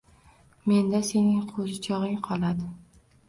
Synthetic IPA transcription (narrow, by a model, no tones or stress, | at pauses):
me̞nd̪ase̞nɪŋqʰozɪt͡ʃʰɒʁɪŋqʰɒlˠad̪ɪ